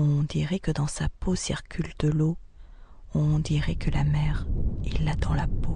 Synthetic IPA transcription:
ɔ̃d̪iʁɛkəd̪ɑ̃saposḭʁkʲʰyld̪̥əlo | ɔ̃d̪iʁɛkəlamɛʁilːad̪ɑ̃lapo

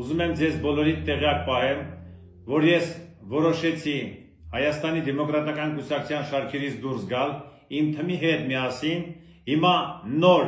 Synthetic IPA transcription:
uzumɛmd͡zɛzbɔlɔɾint̪ɛʁjɑk̚pɑɦɛm | vɔɾjɛsvɔɾɔʃɛt͡sʰi | hɑjɑst̪ɑnid̪ɛmɔkɾɑt̪ɑkɑnkusɑkʰu̥t͡sʰjɑnʃɑɾkʰɛɾit͡sʰd̪uɾsɡɑl | imt̪ʰəmiɦɛt̪mijɑsin | himɑnɔɾ

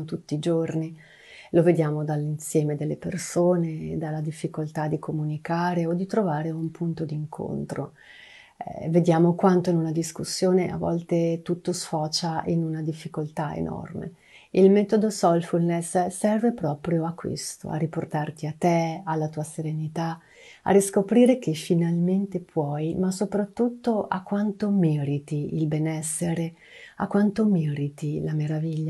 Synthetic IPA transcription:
t̪ut̪ːiːd͡ʒorni | loved̪jaːmod̪alːinsjɛːmed̪elːepersoːned̪alːad̪ifːikolt̪ad̪ikʰomunikaːɾeod̪ːit̪ɾovaːɾeumpʰunt̪od̪iːŋkʰo̰nt̪ɾo̰ | ɛ̰ved̪jaːmokwant̪oinunad̪iskusːjoːneʔa̰vːɔ̰lt̪et̪ut̪ːosfɔːt͡ʃaʔinunad̪ifːikolt̪aḛnɔ̰rmḛ | ilmɛt̪od̪osɔlfulnessɛrvepɾɔːpɾjoakːwḛst̪o̰a̰riport̪art̪iat̪ːealːat̪uːaseɾenit̪a | a̰riskopɾiːɾek̟efinalment̪epʰwɔjmasopɾat̪ːut̪ːoʔa̰kːwant̪omɛɾit̪iilbɛnɛsːeɾe | a̰kːwant̪omɛɾit̪ilameɾaviʎːa

